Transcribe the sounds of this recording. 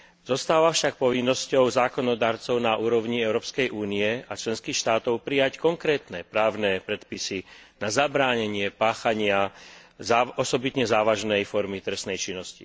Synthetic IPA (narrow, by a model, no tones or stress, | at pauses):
zɔst̪aːʋafʃak̚pɔʋinːɔscɔʊzaːkɔnɔd̪aːɾt͡sɔʊnaʔuːɾɔʊɲiɛʊɾɔːpskɛjʔuːniɛat͡ʃlɛnskiːxʃt̪aːt̪ɔʊpɾijackɔŋkɾɛːt̪nɛpɾaːʊnɛːpɾɛt̪pisinazabɾaːɲɛɲɪɛpaːxaɲɪazaɔsɔbit̪ɲɛzaːʋaʒnɛjfɔɾmit̪ɾɛsnɛjt͡ʃinːɔscḭ